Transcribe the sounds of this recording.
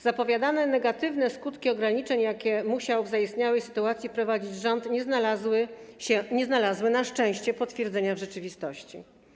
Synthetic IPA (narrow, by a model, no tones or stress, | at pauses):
z̥apɔvʲjad̪anɛnɛɡat̪ɘvnɛskut̪kʲiɔɡɾaɲit͡ʂɛɲjakʲɛmuɕawvzaist̪ɲawɛjsɘ̥t̪uat̪sʲipɾɔvad͡ʑid͡ʑʐɔnt̪ɲɛznalawɘɛɲɛznalazwɘnaʂt͡ʂɛ̃w̃ɕt͡ɕɛpɔt̪fʲjɛɾd̪zɛɲavʐɛt͡ʂɘvʲist̪ɔɕt͡ɕḭ